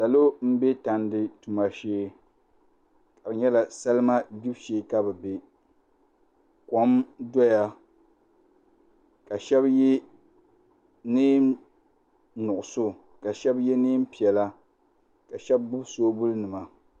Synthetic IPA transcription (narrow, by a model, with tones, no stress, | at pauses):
sa˨lo˦m̩˦be˦ta˨n˦dɪ˦tu˨ma˨ʃeː˦ | ka˨bɲɛ˦la˨sa˦lɨ˦ma˦di˦bʃeː˨˦˨ka˦bɛ˨be˦ | ko˦mdɔ˦ja˦ | ka˨ʃɛ˦bjɛ˦ | niː˦m | nʊ˨ʔʊ˨so˦ | ka˨ʃɛ˦bjɛ˦niː˦m̩˦pi˨ɛ˨la˦ | ka˨ʃɛ˦b̚bʊ˦bsoː˦bu˦lnɨ˨ma˨